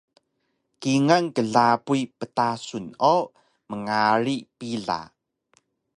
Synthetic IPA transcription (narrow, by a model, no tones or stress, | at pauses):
kiŋaŋkəɮapujpətasuno | məŋaɾipiɮa̰